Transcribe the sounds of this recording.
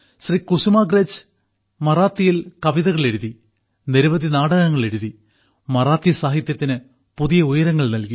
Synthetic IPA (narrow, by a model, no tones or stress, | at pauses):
ɕrikusumaːɡreːd͡ʑ | mɐraːt̪ːijilkɐʋiðɐɣɐɭe̞ɾuði | niɾuʋɐðinaːɽɐɣɐŋːɐɭe̞ɾuði | mɐraːt̪jɐsaːɦit̪jɐt̪ːinɨ | puðijɐujɐɾɐŋːɐɭnɐlki